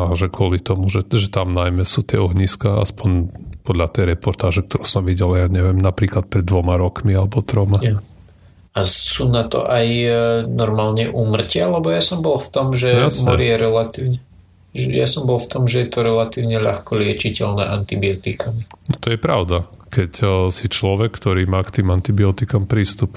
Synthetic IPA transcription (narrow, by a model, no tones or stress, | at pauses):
aʒɛkʊɔlit̪ɔmuʒɛʒɛt̪amnajmɛsuːt̪ɪɛɔɦɲiskaa̰spɔɲpɔd̪ʎat̪ɛjɾɛpɔɾt̪aːʒɛk̚t̪ɔɾusɔmʋiɟɛljaɲɛʋɪɛmnapɾiːklat̪̚pɾɛd̪ːʋɔmaɾɔkmialɛbɔt̪ɾɔma | asuːnat̪ɔ̰ʔajnɔɾmaːlɲɛʔuːmr̩cɪaalɛbɔjasɔmbɔlft̪ɔmʒɛjasmɛɔ̰ɾijɛɾɛlat̪iːʊɲɛ | ɛja̰sɔmbɔlˠft̪ɔmʒɛjɛt̪ɔɾɛlat̪iːʊɲɛʎaxkɔlɪɛt͡ʃicɛlnɛ̰ːʔant̪ibiɔt̪ikaminɔt̪ɔjɛpɾaʊd̪a | kɛcsit͡ʃlɔʋɛkːt̪ɔɾiːmaːkt̪iːmant̪ibiɔt̪ikampɾiːst̪up